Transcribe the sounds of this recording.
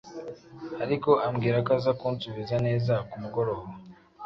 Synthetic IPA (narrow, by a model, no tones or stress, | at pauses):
aɾiko̞ʔamɡiːɾakazakuːnsuβizane̞ːzakumuɡo̞ɾoːho